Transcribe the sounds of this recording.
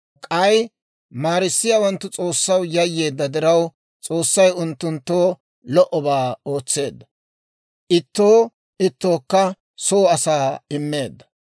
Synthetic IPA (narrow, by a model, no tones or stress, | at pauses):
kʼɐj | maːɾɪsːɪjaːwɐnt̪ːʊt͡sʼo̞ːsːɐwjɐjːeːd̪ːɐd̪ɪɾɐw | t͡sʼo̞ːsːɐjʊnt̪ːʊnt̪ːoː | lɔʔɔbaːo̞ːt͡sːe̞ːd̪ːɐ | ʔɪt̪ːoː | ʔɪt̪ːo̞ːkːɐ | soːɐsaːɪmːe̞ːd̪ːɐ̥